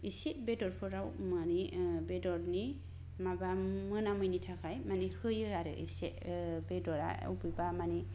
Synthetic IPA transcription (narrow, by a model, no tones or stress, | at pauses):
iseʔbedɔɾpʰɯɾawmanibedɔɾni | mabamɯnamɯjnitʰakʰajmanihɯjɯaɾɯ̰ʔḭseʔbedɔɾa̰ɔ̰bɯjbamani